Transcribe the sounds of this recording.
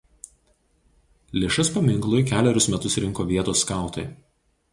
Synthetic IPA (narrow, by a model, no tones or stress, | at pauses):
lʲɪʃɐspɐmʲɪŋklˠʊjkʲæːlʲɛɾʲʊsmʲɛt̪ʊsɾʲɪŋkoːʋʲiɛt̪oːsːkɑˑʊt̪ɐɪ